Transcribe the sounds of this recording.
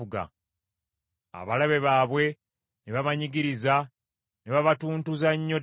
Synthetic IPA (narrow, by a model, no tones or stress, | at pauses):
uɡa̰ | a̰βalaβe̞βaːβwe̞ | neβaβaɲiɡiɾiza | neβaβatuːntuzaɲːo̞